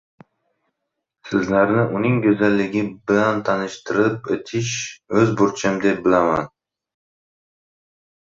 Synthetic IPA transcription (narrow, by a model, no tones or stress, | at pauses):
sɪzlaɾnɪʔʊnɪŋkʲɵzalːɪɡʲɪbɪlant̪ʰanɪʃt̪ɪɾɪp̚et̪ʰɪʃɵzbʊɾt͡ʃʰɪmd̪e̞p̚bɪlama̰n